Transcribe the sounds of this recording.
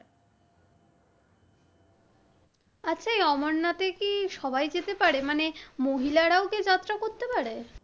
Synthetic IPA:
atːɕʰaejɔmonːat̪ekiʃɔbajd͡ʑet̪epaɾemanemoɦilaɾaoked͡ʑat̪ːɾakoɾt̪epaɾe

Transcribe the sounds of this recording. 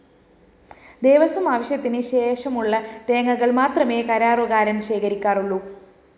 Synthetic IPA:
d̪eːʋɐsɐmaːʋɐɕjɐt̪ːinɨɕe̞ːʂɐmuɭːɐt̪eːŋːɐɣɐɭmaːt̪rɐmeːkɐɾaːroɣaːɾɐnɕeːkɐɾikʲːaːruɭːu

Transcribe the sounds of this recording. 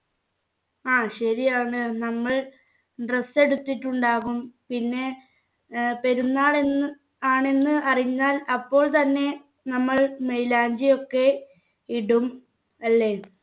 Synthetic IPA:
aːɕɐɾijaːɳɨnɐmːɐɭ | ɖrese̞ɽut̪ːiʈːuɳɖaːɣumpinːe̞ | peɾunːaːɭenːɨ | aːɳe̞nːɨʔɐriɲːaːlɐpːo̞ːɭt̪ɐnːe̞ | nɐmːɐɭmejlaːɲd͡ʑijo̞kːe̞ | iɽum | ɐlːe̞

